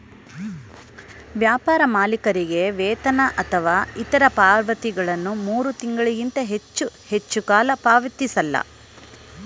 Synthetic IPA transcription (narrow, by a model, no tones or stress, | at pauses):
ʋjaːpaːɾɐmaːlikɐɾiɡe̞ʋeːt̪ɐnɐʔɐt̪ʰɐʋaːit̪ɐɾɐpaːɾʋɐt̪iɡɐɭɐnːumuːɾut̪iŋɡɐɭiɡint̪ɐɦe̞t͡ʃːuhe̞t͡ʃːukaːlɐpaːʋit̪ːisɐlːɐ̰